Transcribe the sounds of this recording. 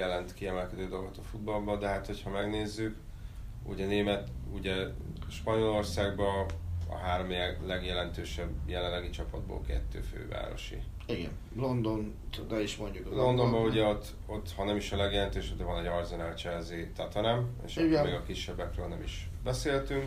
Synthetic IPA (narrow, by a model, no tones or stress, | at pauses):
jɛlɛnt̪kiɛmɛlkɛd̪øːd̪o̞lɡot̪ɒfud̪̚bɒlbɒd̪ɛɦaːt̪ho̞chɒmɛɡneːzːyk | ṵɟɛneːmɛt̪uɟɛʃpɒɲo̞lo̞rsaːɡbɒɒ̰ɦaːɾomiɛlɛɡjɛlɛnt̪øːʃɛbːjɛlɛnlːɛɡit͡ʃɒpɒ̰d̪̚bo̰lkɛ̰t̪ːø̰ːfø̰ːva̰ːɾo̞̰ʃḭ | iɡɛ̰n | lond̪on | t̪od̪ɒiʃmoɲɟuklo̞nd̪o̞mbɒuɟɛot̪ʰː | o̞t̪ːhɒnɛmiʃɒlɛɡjɛlɛnt̪øːʃɛbd̪ɛvɒnɛɟɒrzonalt͡ʃɛzeːt̪ɒt̪ɛnɛmḛːʃmeːɡɒkiʃːɛbːɛkrøːlnɛmiʃ | bɛseːlt̪yŋk